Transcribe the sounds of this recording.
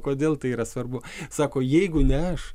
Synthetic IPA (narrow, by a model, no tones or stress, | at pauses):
koːd̪ʲeːlˠt̪ɐɪiːɾɐsʋɐrbʊsɑːkoːjɛɪɡʊnʲɛɐʃ